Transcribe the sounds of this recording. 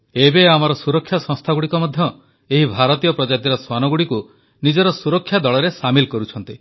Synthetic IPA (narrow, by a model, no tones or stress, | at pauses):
ebeamaɾɔsuɾɔkʰːjasɔ̃ŋst̪ʰaɡuɽikɔmɔd̪ʱjɔ | eɦibʱaɾɔt̪ijɔpɾɔd͡ʒat̪iɾɔswanɔɡuɽiku | nid͡ʒɔɾɔsuɾɔkʰːjad̪ɔɭɔɾesamilkɔɾut͡ʃʰɔnt̪i